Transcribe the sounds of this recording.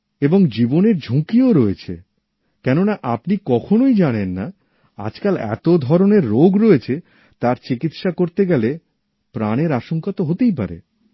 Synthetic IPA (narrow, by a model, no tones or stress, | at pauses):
eboŋd͡ʑiboneɾd͡ʑʱokioɾoet͡ɕʰḛ | kɛnonaʔapnikɔkʰonojd͡ʑanenːa̰ | a̰d͡ʑkalɛ̰t̪od̪ʱɔɾoneɾːoɡɾoet͡ɕʰe | t̪aɾt͡ɕikit̪ʃakoɾt̪eɡɛle | pɾaneɾaʃoŋkat̪oɦot̪ejp̬a̰ɾḛ